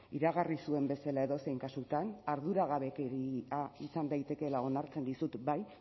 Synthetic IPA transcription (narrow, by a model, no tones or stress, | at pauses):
iɾaɣarisue̞mbe̞salae̞ðo̞sejŋkasut̪anaɾðuɾaɣaβe̞keɾiaisand̪ajt̪e̞ke̞lao̞naɾt͡se̞nd̪isut̪baj